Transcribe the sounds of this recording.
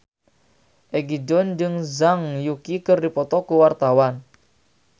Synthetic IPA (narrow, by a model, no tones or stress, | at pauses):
ʔeɡidɔnd͡ʒɨŋzaŋjukikərdipɔt̪ɔkuwart̪awan